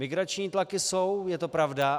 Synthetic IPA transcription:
mɪɡɾat͡ʃɲiːt̪lakɪso̞wjɛt̪o̞pɾavda

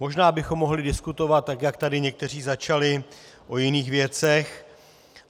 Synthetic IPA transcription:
mo̞ʒnaːbɪxo̞mːo̞ɦlɪdɪskut̪o̞vat̪̚ːakjakt̪adɪɲɛk̚t̪ɛr̝iːzat͡ʃalɪ | ʔo̞jɪniːxvjɛt͡sɛx

